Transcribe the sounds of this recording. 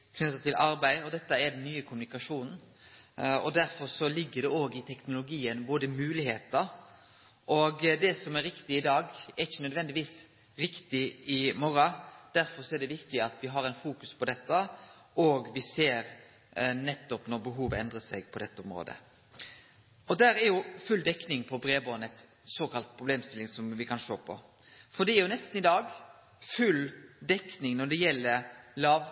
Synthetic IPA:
kʰnʉt̪ːət̪ʰɪlʔɑɾbæɪɔd̪ɛt̪ːəɛd̪ɛnːyːəkʰʊmʉnɪkɑʂuːnn̩ | ɔd̪æɾfɔɾsɔlɪɡːəd̪ɛoːɡɪt̪ʰɛknʊlʊɡiːənboːd̪əmʉːlɪheːt̪əɾ | ʔɔɡd̪ɛsɔmɛɾːɪkt̪ɪɪd̪ɑːɡɛɪçənœd̪ʋɛnd̪ɪʋiːs | ɾɪkt̪ɪɪmɔɾɑd̪̥æɾfɔɾsɔɛɖ̪ɛʋɪkt̪ɪɑt̪ʋɪɦɑɾæɪnfuːkʉspʰɔd̪ɛt̪ːə | ʔɔɡʋɪseːɾ | nɛt̪ːɔpnɔɾbəɦuːʋəɛnd̪ɾəsɛɡ̚pʰɔd̪ɛt̪ːəʊmɾo̰ːd̪ə̰ | ɔd̪æːɾæɾjʊfʉld̪ɛknɪŋpʰɔbɾeːboːnɛt̪ | soːkɑlt̪̚pʰɾʊbleːmst̪ɪlːɪŋsɔmʋɪkʰɑnʃoːpʰɔ̰ | fɔɖ̪ɛɛɾjʊnɛst̪nɪd̪ɑːɡ | fʉld̪ɛknɪŋnɔd̪ɛjɛlːəɾlɑːʋ

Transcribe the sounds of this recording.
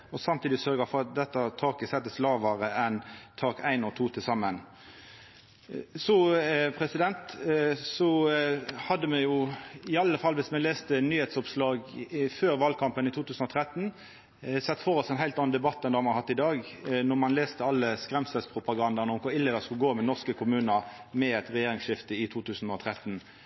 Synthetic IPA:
ɔsɑmt̪ʰiːd̪ɪsœɾɡəfɔʁɑt̪̚d̪ɛt̪ːɑt̪ʰɑːkəsɛt̪ːəslɑːʋəʁəɛnt̪ʰɑːkæɪnɔt̪ʰuːt̪ʰɪlsɑmːən | sɔpʰʁɛsɪd̪ɛnt̪sɔ | hɑd̪ːəmɛjʊɪɑlːəfɑlːʋɪsmɛleːst̪ənyːheːt̪sɔpslɑːɡføːʁʋɑːlkʰɑmpənɪt̪ʰuːt̪ʰʉːsən̩ɔt̪ʰʁɛt̪n | sɛt̪ːfɔːʁɔsd̪ɛnɦæɪlt̪ɑnːnd̪ɛbɑt̪ːɛnd̪ɛhɑmɑhɑt̪ːɪd̪ɑːɡnɔʁmɑnleːst̪əɑlːəskʁɛmsɛspʰʁʊpɑɡɑnd̪əʁnəɔmkɔɪlːɛːd̪əskʉlɡoːmɛnɔʁskəkʰʊmʉːnəʁmɛɛt̪ʁɛjeːʁɪŋsʃɪft̪əɪt̪ʰuːt̪ʰʉːsn̩ɔt̪ʰʁɛt̪n̩

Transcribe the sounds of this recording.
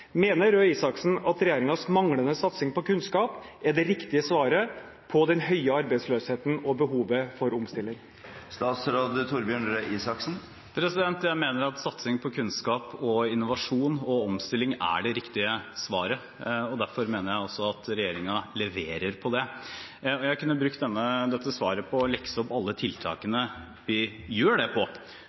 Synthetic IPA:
meːnəɾøːiːsɑksn̩ɑt̪ɾɛjeːɾɪŋɑsmɑŋlənəsɑt̪sɪŋpɔkʉnskɑːpæɖɛɾɪkt̪ɪəsʋɑːɾə | pʰɔd̪ɛnhœʏəɑɾbæɪd̪sløːsheːt̪n̩ɔbəɦuːʋəfɔɾɔmst̪ɪlːɪŋ | st̪ɑːt̪sɾoːd̪ət̪ʰuɾbjøːɳɾøːʔiːsɑksn̩ | pʰɾɛsɪd̪ɛnt̪jæɪmeːnəɾɑt̪sɑt̪sɪŋpʰɔkʰʉnskɑːpɔɪnːʊʋɑʂuːnɔɔmst̪ɪlːɪŋæ̰ɖɛɾɪkt̪ɪəsʋɑːɾə | ɔd̪æɾfɔɾmeːnəɾjæɪɔsːɔɑt̪ɾɛjeːɾɪŋɑlɛʋeːɾəɾpʰɔd̪ɛ | ɔjæɪhɑkʉnːəbɾʉk̚t̪̚d̪ɛnːəd̪ɛt̪ʰːəsʋɑːɾəpʰɔlɛksəɔpːɑlːət̪ʰɪlt̪ʰɑ̰ːkənə | ʋɪ | jøːɖɛpʰɔ

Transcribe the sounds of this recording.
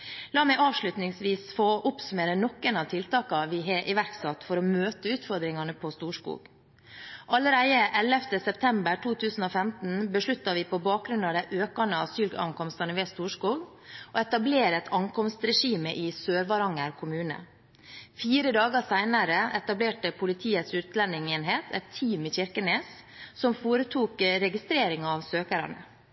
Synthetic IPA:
lɑːmɛɪʔɑːʋʂlʉt̪nɪŋsʋiːsfoːʔʊpsʉmeːɾənɔkːənɑʋt̪ʰɪlt̪ɑːkɑʋɪɦeʔɪʋæɾksɑt̪ːfɔɾɔmøːt̪əʉːt̪fɔɾd̪ɾɪŋɑnəpʰɔst̪uːʂkṵːɡ | ʔɑləɾæɪəʔɛlɛft̪əsɛp̚t̪ʰɛmbəʈʰuːt̪ʰʉːsn̩oːfɛmt̪n̩bəʂlʉt̪ːɑʋɪpʰɔbɑːk̚ɡɾʉnɑʋd̪æɪʔøːkɑnəɑsyːlɡɑ̰ŋkɔmst̪ɑnəʋeːst̪uːʂkuːɡ | oɛt̪ɑbleːɾɛt̪ʰɑŋkʰɔmst̪ɾɛʂiːməʔɪsøːɾʋɑɾɑŋəɾkʰʊmʉːnə̰ | fiːɾəd̪ɑːɡəsæɪnɑɾəɛt̪ɑbleːʈəpʰʊlɪt̪ʰiːət̪sʉːt̪lɛnɪŋeːnɦeːt̪ʰɛt̪ʰːiːmɪçɪɾkəneːs | sɔmfoːɾət̪ʰuːkɾɛɡɪst̪ɾeːɾɪŋɑɑʋsøːkəɾɑ̰nə̰

